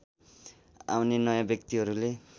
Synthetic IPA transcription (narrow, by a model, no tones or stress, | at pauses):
a̰wnenʌjãbjʌkt̪iɦʌɾule